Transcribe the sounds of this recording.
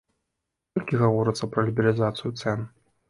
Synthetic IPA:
ɔlʲkʲiɣavɔɾɨt̪sːɐpɾɐlʲibʲilʲizat̪sɨjut̪sɛn

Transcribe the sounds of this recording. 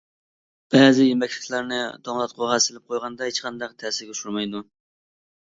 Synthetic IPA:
b̥ɛːzɪjemɛkʲlɪ̥kʲʰlæɾnɪd̪ɑŋlˠɑt̪̚qʰoʁɑsɪlɪp̚qʰojʁɑnd̪ɑhet͡ʃqʰɑnd̪ɑq̚t̪ʰɛːsɪɾɡʲɛʃuɾmɑjd̪u

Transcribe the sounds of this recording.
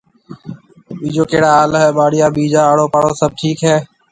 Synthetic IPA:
ɓiːd͡ʒoːkeːɽaːlːɦɛːɓaːɽɪjaːɓiːd͡ʒaːaːɽoːpaːɽoːsəb̚ʈʰiːkɦɛː

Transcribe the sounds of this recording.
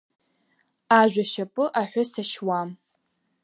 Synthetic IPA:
aʒᶣʷaʃapʼɨʔaħʷᶣasaʃwam

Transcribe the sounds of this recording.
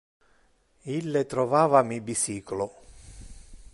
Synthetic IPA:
ilːet̪ɾɔvaːvamibisiːklo

